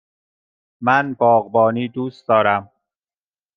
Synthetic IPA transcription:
mænbɒːɣbɒːniːd̪uːs̚d̪ɒːɾæm

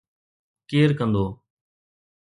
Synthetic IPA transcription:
keːɾkə̃nd̪oː

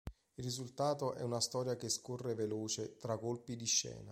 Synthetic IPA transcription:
ilrːizult̪aːt̪oʔɛ̰unast̪ɔːɾjakeskorːeveloːt͡ʃet̪ɾaɡolpid̪iʃːɛ̰ːna

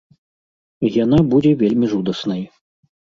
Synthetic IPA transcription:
janabud͡zʲɛvʲelʲmʲiʐud̪ɐsnɐj

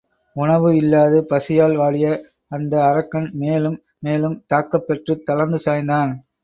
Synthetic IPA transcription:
ʊɳɐʋɯɪlːaːðɯpɐsɪjaːlʋaːɭɪjɐ | ɐnd̪ɐːɾɐkːɐnmeːlɯmːeːlɯmt̪aːkːɐpːɐʈrɯt̪ɐlɐɾnd̪ɯsaːjnd̪aːn

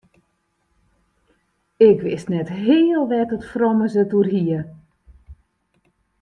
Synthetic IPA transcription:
ɪkʋɪstnɛtɦɪːəlˠʋɛtətfrɔməzətuərhiə

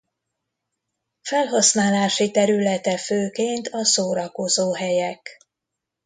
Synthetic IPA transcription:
fɛlɦɒsnaːlaːʃit̪ɛɾylɛt̪ɛføːkeːnt̪ʰɒsoːɾɒko̞zoːɦɛjɛk

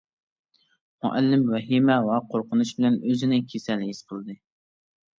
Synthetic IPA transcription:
mʊ̰ʔælːɪmwɛɦimɛwɛqʰoɾqʊnuʃbɪlɛnøzɪnɪkʲʰesɛlːɪisbolˠd̪ɨ

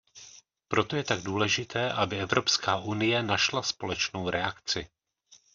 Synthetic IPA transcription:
pɾo̞t̪o̞jɛt̪aɡ̚duːlɛʒɪt̪ʰɛːʔabɪɛvɾo̞pskaːʔunɪjɛnaʃlaspo̞lɛt͡ʃnowɾɛakt͡sɪ

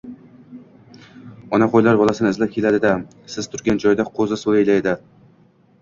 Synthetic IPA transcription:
ɒnaqojlaɾbɒlˠasɪnɪɪzlap̚kʲʰe̞lad̪ɪd̪a | sɪz̥t̪ʰʊɾɡʲand͡ʒɒjd̪aqʰozɪsolˠajlajd̪ɪ

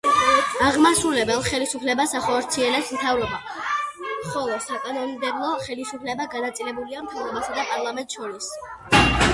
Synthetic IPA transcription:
aʁmasɾulɛbɛlˠχɛlisupʰlɛbasaχɔɾt̪sʰiɛlɛpsmt̪ʰavɾɔba | χɔlˠɔsakʼanɔnd̪ɛblˠɔχɛlisupʰlɛbaɡanat̪sʼilɛbuliamt̪ʰavɾɔbasad̪apʼaɾlˠamɛnt̪ʼʃɔɾis

